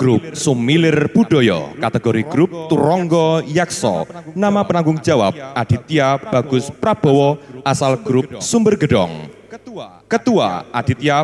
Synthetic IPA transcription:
ɡ̥ɾup̚sumilɪrb̥uɖɔjɔ̰kat̪əɡɔɾiɡ̥ɾʊp̚t̪uɾɔŋɡɔjaksɔ̰namapənaŋɡʊŋ̥d͡ʒ̥awa̰p̚ad̪̥i̤t̪iab̥a̤ɡ̥ʊspɾab̥ɔwɔʔasalɡ̥ɾʊp̚sumbərɡəɖɔ̰ŋ | kət̪ua̰ʔad̪̥it̪ia

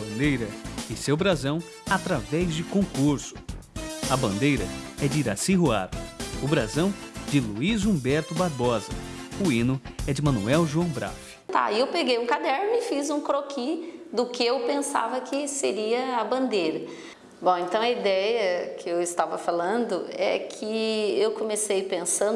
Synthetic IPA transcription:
bɐ̃nd̪ejɾɐɪsewbɾazɐ̃w̃ | at̪ɾavɛzd͡ʒɪkõkuɾsʊ̥ | ɐbɐ̃nd̪ejɾɐɛd͡ʒɪiɾasĩɦua̰ɾʊʊbɾazɐ̃w̃d͡ʒɪluizũbɛɾt̪ʊbaɾbɔzɐuĩnʊɛd͡ʒɪmɐ̃nuɛwʒuɐ̃w̃bɾa̰wʊ | t̪a̰ɪewpeɡejũkad̪ɛɾnʊɪfizũkɾokid̪ʊkɪewpẽsa̰vɐkʰɪseɾiɐɐbɐ̃nd̪ejɾɐ | bõw̃ẽnt̪ɐ̃w̃ɐid̪ɛjɐkʰɪewɪst̪avɐfalɐ̃nd̪ʊɛ̰kʰɪewkõmesejpẽsɐ̃

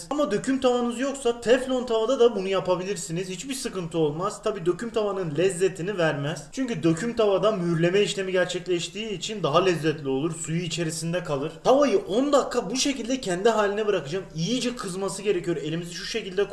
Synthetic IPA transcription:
amad̪øcʰymt̪ʰavanɯzjo̞ksat̪ʰɛflʲo̞nt̪ʰavad̪ad̪abunujapabilʲiɾsinizhit͡ʃbiɾsɯkɯnt̪ʰɯo̞lˠmaz̥t̪ʰabiːd̪ø̞cʰymt̪ʰavanɯnlʲɛzːet̪ʰinivæɾmɛz̥t͡ʃʰyɲcyd̪ø̞cʰymt̪ʰavad̪amyɾlʲe̞mɛiʃlʲe̞miɟæɾt͡ʃʰɛclʲɛʃt̪ʰiːt͡ʃʰind̪aɦalʲɛzːɛt̪lʲio̞lˠuɾsujyit͡ʃʰe̞ɾisind̪ɛkʰalˠɯɾ̥t̪ʰavajɯʔo̞nd̪akʰːabuʃe̞cilʲd̪ɛcʰɛnd̪iɦaːlʲinɛbɯɾakɯd͡ʒamijid͡ʒɛkʰɯzmasɯɟe̞ɾɛcyjo̞ɾe̞lʲimiziʃuʃe̞cilʲd̪ɛk

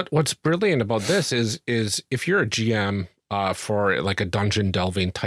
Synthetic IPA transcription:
ʌt̚wʌtsb̥ɹɪlˠjɨ̃ntɨbaʊt̪̚ðɪsɪzɪzɨfjə˞ɨd͡ʒiɛ̃m | ʌfə˞laɪkɨdʌ̃nd͡ʒɨ̃ndɛlˠvɪ̃ntʰaɪ

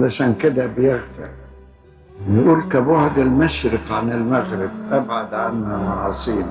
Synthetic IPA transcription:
laʃaːnkɪd̪abjɪɣfɪ̰ɾ | jʔuːlkabʊʕd̪ɪlmaʃɾɪqʕanɪlmaɣɾɪb̚ʔabʕad̪ʕanːamɑʕɑːsˤiːn

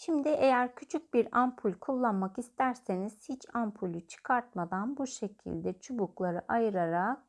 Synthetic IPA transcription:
ʃimd̪ɪʔe̞jæɾcʰyt͡ʃʰyc̚biɾampʰulʲkʰulˠːanmakist̪æɾse̞niz̥hit͡ʃʰampʰulʲyt͡ʃʰɯ̥kʰaɾt̪̚mad̪anbuʃe̞cʰḭlʲd̪ɛt͡ʃʰubuklˠaɾɯʔajɯɾaɾa

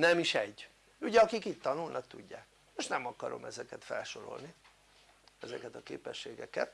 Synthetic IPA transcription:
nɛmiʃɛɟː | uɟɛɒkikit̪t̪ɒnulnʔɒkt̪uɟːaːk | moʃnɛmɒkɒɾo̞̰mʔɛzɛkɛt̪fɛlʃo̞ɾo̞̰lni | ɛzɛkɛt̪ɒkeːpɛʃːeːɡɛkɛt̪

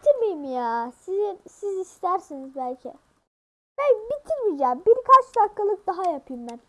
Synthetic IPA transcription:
it̪ʰiɾmijmijasizisizist̪æɾsinizbælʲcʰɛ̰ | mænbit̪ʰiɾmid͡ʒabiɾkʰat͡ʃd̪akːalˠɯk̚d̪ɑɦajɑpʰɯjɯmːæn

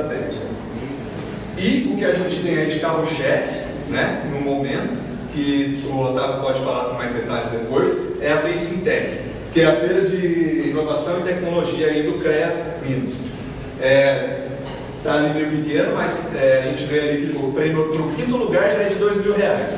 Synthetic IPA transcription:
t̪ɛ̃ | ɪʊkɪaʒẽt͡ʃɪ̥t̪ẽj̃ɐĩd͡ʒikaɾʊʃɛfɪ | nɛnʊ̃momẽnt̪ʊ̥ | kɪt̪uot̪apɔd͡ʒɪfalaɾkõmajzd̪et̪alɪzd̪epojsɛɐfejsĩt̪ɛkɪ̥ | kɪɛɐfejɾɐd͡ʒɪĩnovasɐ̃w̃ɪt̪ɛknoloʒiɐĩd̪ʊkɾɛɐvĩnʊs | ɛ | t̪aːlimẽjʊpikẽɾɐmɐsɛaʒẽnt͡ʃɪvealikɪʊpɾẽmjʊpnʊkĩnt̪ʊluɡaɾɛd͡ʒɪd̪ojzmiwɦeajs

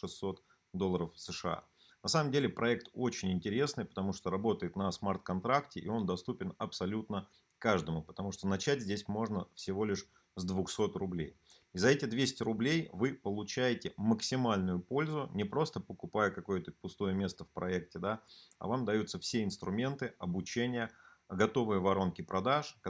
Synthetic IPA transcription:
ʂɨsːo̞t̪ | d̪olˠːəɾəfsɨʂɨa̰ | nɐsaməmdʲelʲɪpɾʔɐɛk̚t̪o̞t͡ɕɪnʲɪnʲtʲɪɾʲe̞snɨjpə̥t̪ɐmuʂt̪oɾɐbo̞t̪əjɪt̪nəsmart̪̚kɐnt̪ɾaktʲɪʔio̞nd̪ɐst̪upʲɪnɐpsɐlʲut̪nə | kaʐd̪əmʊpət̪ɐmuʂt̪onɐt͡ɕætʲzʲdʲesʲmo̞ʐnəfsʲɪvo̞lʲɪʂ | zd̪vʊxso̞t̪rʊblʲej | izɐɛtʲɪd̪vʲesʲɪ̥tʲrʊblʲejvɨpəlˠʊt͡ɕæjɪtʲɪməksʲɪmalʲnʊjʊpo̞lʲzʊnʲɪpɾo̞st̪əpəkʊpajəkɐko̞jət̪əpʊst̪o̞jəmʲe̞st̪əfpɾɐɛktʲɪd̪aɐ̰vamd̪ɐjut̪səfsʲeɪnst̪ɾʊmʲe̞nt̪ɨɐbʊt͡ɕenʲɪjə | ɡɐt̪o̞vɨjəvɐɾo̞nkʲɪpɾɐd̪aʂ

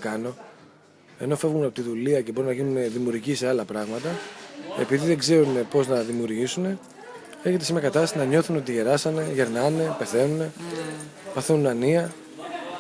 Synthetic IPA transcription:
kɐno̞ | e̞̰no̞fe̞vɣumnɐpot̪iðuliɐce̞bo̞ɾimnɐʝinune̞ðimjuɾʝiseɐlɐpɾɐɣmɐt̪ɐe̞̰piðiðeɡze̞ɾune̞po̞znɐðimjuɾʝisune̞ | e̞çet̪esimeɾɐkɐt̪ɐssinɐɲo̞θuneot̪̬iʝe̞ɾɐsɐne̞ʝe̞ɾnɐne̞pe̞θe̞nune̞ | pɐθenunɐniɐ

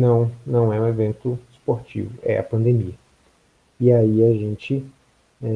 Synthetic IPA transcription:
nɐ̃w̃nɐ̃w̃ɛũevẽnt̪ʊspoɾt͡ʃḭvʊ̰ʔɛ̰ɐ̰pɐ̃nd̪emiɐ | iaiaʒẽnt͡ʃɪ | ɛ

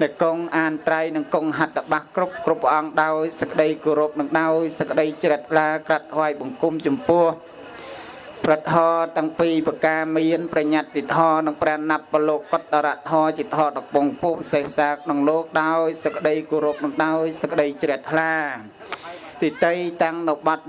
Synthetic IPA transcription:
nɨkoŋʔaːnt̪rajnɨŋkoŋɦat̪̚raɓahkrup̚krupːʔɑŋɗaɔjsəkːə̆ɗəjkoːɾoːp̚nɨŋɗaɔjsəkːə̆ɗəjt͡ɕrɛ̆əht̪ʰlaːkrat̪ʰːʋaːjɓɑŋkumt͡ɕɑmpʊ̆əh | prət̪ɦɑːt̪ɛəŋpiːpɨəkaːmiənprɑɲat̪̚ːit̪ʰhɑːnɨŋpranːap̚ːɑloːkːot̪̚ɗaɾaːt̪ʰɔːt͡ɕiət̪ʰhɑːɗɑpoŋpuːpsehsaːkʰnɑŋloːk̚ɗaɔjsəkːə̆ɗəjkoːɾoːp̚nɨŋɗaɔjsəkːə̆ɗəjt͡ɕrɛ̆ət̪ʰlaː | t̪it̪ɨjt̪aŋnɨwɓɑt̪̚

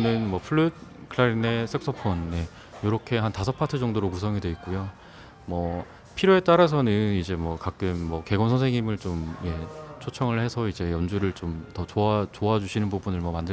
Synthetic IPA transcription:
nɯnmwʌpʰɯɭːɯd̚kʰɯɾaɾine̞s͈ʰek̚s͈ʰʌpʰʌnːe̞ | joɾʌkʰe̞ɦantasʰʌpʰatʰɯd͡ʑʌŋdoɾokusʰʌŋidweit̚k͈ujo | mʌ | pʰiɾjoe̞t͈aɾas̬ʰʌnɯnid͡ʑe̞mwʌkak͈̚ɯmːʌke̞ɡʌnsʰʌnsʰeŋimɯɭt͡ɕomje̞t͡ɕʰot͡ɕʰʌŋɯɭhe̞sʰʌid͡ʑe̞jʌnd͡ʑuɾɯɭt͡ɕomtʌt͡ɕoat͡ɕoad͡ʑuɕʰinɯnpubunɯɭmʌmandɯ

